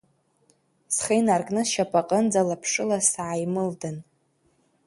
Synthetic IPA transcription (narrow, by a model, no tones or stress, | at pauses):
sχinarkʼnɨʃapʼaqʼənd͡zalapʰʂɨlasaajmɨldan